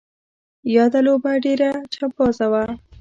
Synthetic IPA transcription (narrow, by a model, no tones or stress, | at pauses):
jɑd̪alobaɖeɾat͡ʃab̚ɑzawa